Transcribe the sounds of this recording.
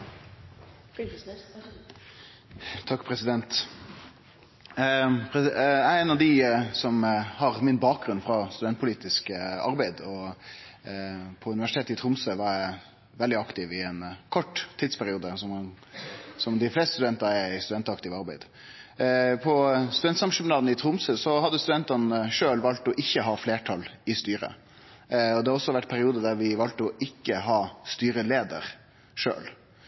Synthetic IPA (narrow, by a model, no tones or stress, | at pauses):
t̪ʰɑkːpʰɾɛsɪd̪ɛnt̪ | pʰɛæɛnɑʋd̪ɪsɔmhɑʁmɪnbɑːk̚ɡɾʉnːfɾɑst̪ʉd̪ɛnt̪pʰʊliːt̪ɪskɑ̰ɾbæɪd̪ɔ | pʰɔʉnɪʋæʂɪt̪eːt̪əɪt̪ʰɾʊmsəʋɑɾjæɪ | ʋɛld̪ɪɑkt̪ɪʋɪɛnkʰɔʈːt̪ʰːiːd̪spʰæɾɪuːd̪əsɔm | sɔmd̪ɪflɛːst̪st̪ʉd̪ɛnt̪ɑɾɛɪst̪ʉd̪ɛnt̪ɑkt̪ɪʋɑɾbæɪd̪̥ | pʰɔst̪ʉd̪ɛnt̪sɑmʂʉmnɑːd̪nəɪt̪ʰɾʊmsəsɔhɑd̪ːəst̪ʉd̪ɛnt̪ɑnəʂøːlʋɑlt̪ɔʔɪçːəɦɑːfleːʈʰɑlɪst̪yːɾə̰ | ɔd̪ɛhɑɾɔsːɔʋæʈːpʰæɾɪuːd̪əd̪æɾʋɪʋɑlt̪ɔʔɪkːəɦɑːst̪yːɾəleːd̪ə̰ɾ | ʂø̰ːl